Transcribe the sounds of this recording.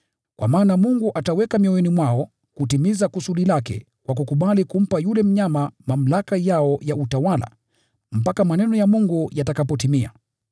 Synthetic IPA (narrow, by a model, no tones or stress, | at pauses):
kwʔa̰maːnamuŋɡuʔatawɛkamiɔwɛnimwaɔ | kutimizakusuɗilakɛ̰ | kwakukuɓalikum̩pajulɛm̩ɲamamam̩lakajaɔjautawala̰ | m̩pakamanɛnɔjamuŋɡujatakapɔtimia̰